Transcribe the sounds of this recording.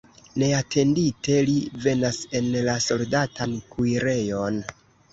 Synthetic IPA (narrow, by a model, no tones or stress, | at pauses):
ne̞atʰe̞ndite̞live̞nase̞nlaso̞ldatʰankuiɾe̞jo̞n